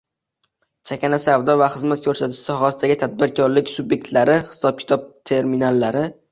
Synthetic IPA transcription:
t͡ʃʰakʲanasavd̪ɒvaχɨzmat̪̚kʰɵɾsat̪ʰɪ̥ʃsɒɦasɪd̪aɡʲɪt̪ʰad̪̚bɪɾkʲʰɒɾlɪkʲsʊbje̞k̚ʲt̪laɾɪχɪ̥sɒb̚kʲʰɪ̥t̪ʰɒp̚t̪ʰe̞ɾminalːaɾɪ

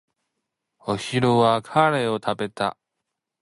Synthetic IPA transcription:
oɕiɾoβakʰaɾe̞o̞t̪ʰabe̞t̪a̰

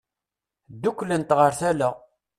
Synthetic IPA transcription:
d̪ːukʷːlənt̪ʁəɾθælə

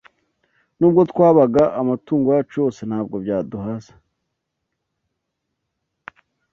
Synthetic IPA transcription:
nuːbɡo̞t̪kwaːβaɡaʔːmatuːŋɡojat͡ʃo̞ːse̞n̥haːb̚ɡo̞bjaːduɦazḁ

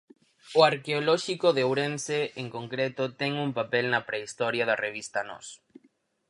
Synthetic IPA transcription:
oaɾkeolɔʃikoðeowɾenseeŋkoŋkɾet̪ʊt̪ɛŋumpapelnɐpɾeist̪ɔɾjɐðɐreβist̪anɔ̰s

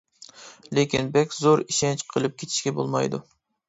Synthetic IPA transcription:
lekʲinbɛkʲzoɾiʃɛnt͡ʃqʰəlˠɨp̚kʲʰet̪ʰɪ̥ʃkʲɛbo̰lˠmɑjd̪ṵ

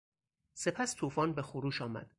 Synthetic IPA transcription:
se̞pʰæst̪ʰuːfɒːnbe̞xoɾuːʃɒːmæ̰d̪̥

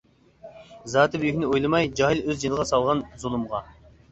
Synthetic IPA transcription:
zɑːt̪ʰɨbjykʲnɪojlˠɨmɑjd͡ʒɑɦilˠøzd͡ʒinɨlˠəʁɑsɑlˠʁɑnzulˠɨmʁɑ

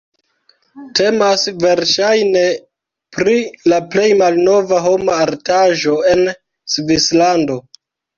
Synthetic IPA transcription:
te̞masve̞ɾʃajne̞ | pɾilaple̞jmalno̞vaɦo̞maːɾtaʒo̞e̞n | svislando̞

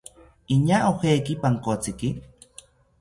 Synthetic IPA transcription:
iɲaʔoxeːkipaŋkot͡siki

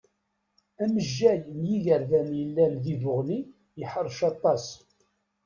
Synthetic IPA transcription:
æməʒːæjmjiʝəɾvænjəlːænðivʊʁli | jəħəɾˤːʃɑt̪ˤːɑs

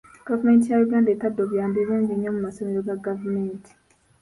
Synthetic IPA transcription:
ɡ̥avumeːnt̬ijajuɡaːndeːtadːoβjaːmbelũːɲɟiɲːomumaso̞meɾo̞ɡaɡavumeːntʰi̥

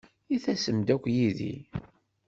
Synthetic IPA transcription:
iθæsəmd̪ækʷːjiðḭ

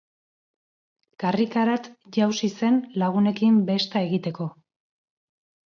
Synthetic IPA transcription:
karikaɾat̪ʝawsise̞nlaɣ̞une̞kimbe̞st̪ae̞ɣit̪e̞ko̞

